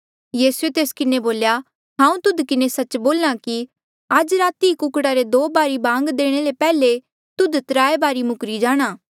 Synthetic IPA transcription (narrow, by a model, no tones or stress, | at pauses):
jiːsuet̪eːskɪneboːlja | ɦãːũt̪ʊd̪kɪnesɐt͡ʃboːlnaki | ad͡ʒɾaːt̪ikʊkɽaɾed̪oːbaːɾibãːŋɡd̪eːɽ̃elepɛːle | t̪ʊd̪t̪ɾaːebaːɾimʊkɾid͡ʒaːɽ̃aː